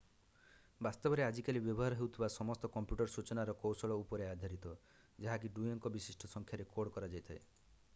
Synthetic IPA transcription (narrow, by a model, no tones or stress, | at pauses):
bast̪ɔbɔɾead͡ʒikalibjɔbɔɦaɾɔɦewt̪ʰibasɔmɔst̪ɔkɔmpjuʈɔɾsut͡ʃɔnaɾɔkowsɔɭɔupɔɾead̪ʱjaɾit̪ɔ | d͡ʒaɦak̬iɖujiŋkɔbisisʈʰɔsɔŋkʰjaɾekoɽkɔɾad͡ʒajt̪ʰae